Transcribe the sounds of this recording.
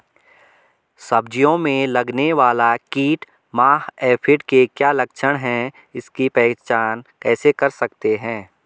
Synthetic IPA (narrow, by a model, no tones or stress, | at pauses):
sɐbd͡ʒijõmẽlɐɡneʋaːlakiːʈ | maːɦɛːpʰɪʈkekjaːlɐkʃʰəɽ̃ɦɛ̃ | ɪskipɛːt͡ʃaːnkɛːsekɐɾsɐkt̪eɦɛ̃ː